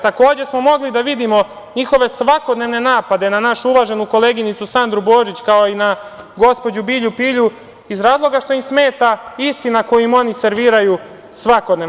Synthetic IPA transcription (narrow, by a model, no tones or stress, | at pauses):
t̪ako̞ːd͡ʑe̞smo̞mo̞ɡlid̪aʋid̪imo̞ | ɲixo̞ʋe̞sʋako̞d̪ne̞ʋne̞naːpad̪e̞nanaʃuuʋaʒe̞nuko̞le̞ːɡinit̪susand̪ɾubo̞ːʒit͡ɕkao̞ina | ɡo̞spo̞d͡ʑubiːʎupiːʎu | izɾaːzlo̞ɡaʃt̪o̞imsme̞ːt̪aist̪inako̞juimo̞nise̞ɾʋiːɾaju | sʋako̞d̪ne